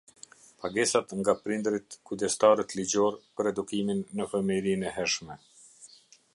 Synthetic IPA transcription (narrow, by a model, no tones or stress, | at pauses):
paɡɛsat̪ŋɡapɾind̪ɾit̪kud̪ɛst̪aɾət̪lid͡ʑɔɾpəɾɛd̪ukiminːəfəmiɾinɛɦɛɾʃmɛ